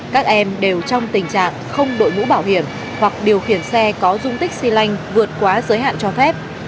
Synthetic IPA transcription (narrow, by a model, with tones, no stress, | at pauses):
kaː˦˥k̚ʔɛ˧mɗe˨˩wt͡ɕɔ˧wŋ͡mt̪ï˨˩ŋ̟t͡ɕa̰ː˧˨ŋxə˧wŋ͡mɗo̰˧˨jmṵ˧˥ɓaː˧˩whi˧˩əm | hwa˨˩k̚ɗi˨˩əwxi˧˩ənsɛ˧kɔ˨˦zʊ˧ŋ͡mt̪ï˦˥k̚si˧la˧jŋ̟vɨ˨˩ət̚kwaː˨˦zəː˨˦jɦa̰ː˧˨nt͡ɕɔ˧fɛ˦˥p̚